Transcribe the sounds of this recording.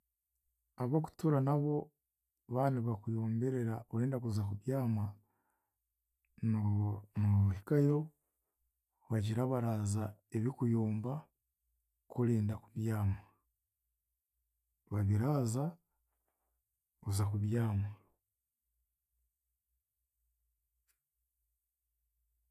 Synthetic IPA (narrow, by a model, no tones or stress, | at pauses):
aβoːku̥tuɾanaβo̞ | βaːniβakujoːmbe̞ɾe̞ɾaoɾeːndakuzakuβjaːma | nuhikajo̞ | βaɟiɾaβaɾaːzae̞βikujoːmba | koleːndakuβjaːma | βaβiɾaːza | uzakuβjaːma